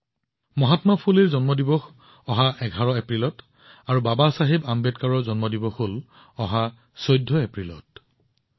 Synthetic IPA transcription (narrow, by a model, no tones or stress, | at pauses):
mɔɦatmapʰuliɹzɔnmɔdibɔx | ɔɦaɛɡʱaɹɔepɹilɔt | aɹubabasaɦibambɛtkaɹɔɹzɔnmɔdibɔxol | ɔɦa | sɔjdʱːɔepɹilɔt̚